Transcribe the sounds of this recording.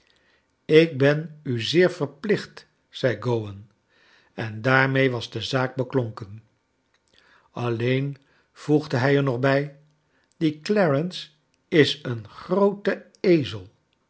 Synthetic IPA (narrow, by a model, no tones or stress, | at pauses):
ɪk̚bɛnyzɪːɹv̥əɹplɪχt | sɛjɡowən | ɛndaːɹmejʋɑzdəzaːk̚bəkloŋkən | ɑlejn | v̥uχdəɦɛjɛɹnɔχbɛj | d̥iklɛɹəns | ɪsənχrowtə | ejzəlˠ